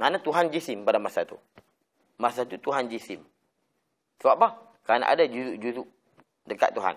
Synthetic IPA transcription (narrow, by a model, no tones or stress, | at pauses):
ŋanat̪uɦand͡ʒisɪmpadamasat̪ṵ | masat̪ut̪uɦand͡ʒisɪm | səbaplah | kaana̰ʔa̰dad͡ʒuzuʔd͡ʒuzuʔ | dəka̰ʔt̪ːuɦa̰n